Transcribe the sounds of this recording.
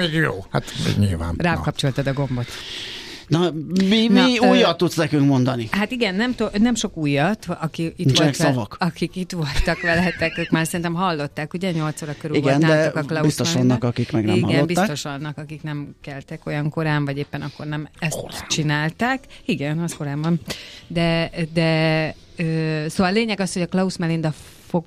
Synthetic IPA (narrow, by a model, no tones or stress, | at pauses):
eɡjo̰ːha̰t̪ɲḭlva̰ːnraːkɒp̚t͡ʃo̞lt̪ɒd̪ɒɡo̞mbo̞t̪ | nɒmimiuːjːɒt̪ːut̪snɛkyŋkmo̞nd̪ɒniɦat̪iɡɛnːɛmt̪onɛmʃo̞kuːjːɒt̪ɒkiit͡ʃːɛkssɒvɒkɒkikit̪ʋo̞lt̪ɒkʋɛlɛt̪ːɛkøːkmaːrsɛɾint̪ɛmɦɒlːo̞t̪ːaːkuɟɛɲo̞lt̪soːɾɒkːøɾyːiɡɛɛnad̪ɛɔkɒklɒubist̪oʃɒnːɒkɒkikmɛɡnɛihɒɡɛlːotbist̪o̞ʃɒnːɒkɒkiknɛmkɛlt̪ɛko̞jɒŋko̞ɾaːɱvɒɟeːpːɛnɒkːo̞rnɛmɛst̪t͡ʃinaːlt̪aːkiɡɛnɒsko̞ɾaːbbɒnd̪ɛd̪ɛ | øːsoːvɒlleːɲɛɡɒsho̞ɟɒklɒusmɛlind̪ɒ | fo̞ɡ